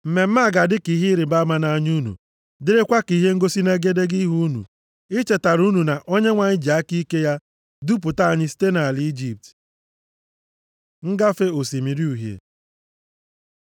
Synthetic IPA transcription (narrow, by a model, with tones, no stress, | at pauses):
m̩˨me˨m̩˦ma˦˨ɡa˨dɪ˦ki˨ɦi˦ɾɪ˨˦ba˦ma˦na˨˦ɲu˦nṵ˨ | dɪ˦ɾɪ˦kʷa˦ki˨˦ɦe˦ŋ̩˦ɡo˦si˦ne˦ɡe˦de˦ɡi˦ɦu˦nṵ˨ | ɪ˦t͡ʃe˨ta˨ɾu˦nu˨na˨ʔo˦ɲe˦ŋʷa˨ɲɪ˦d͡ʒa˦ki˦ke˦ja˦ | du˦p̬ʊ˨ta˦a˨ɲɪ˦si̥˦te˦na˨li˦i˦d͡ʒi˦p̚t | ŋ̩˦ɡa˦fe˦o˨si˨mi˨ɾi˦u˨ɦjḛ˨